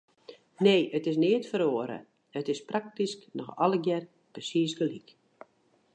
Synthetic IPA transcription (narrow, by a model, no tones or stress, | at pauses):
neːʔətɪsnɪətfəɾoːəɾə̰ | ətɪsprak̚tisknɔxɔ̰ləɡjɛr | prəsiːsɡəlik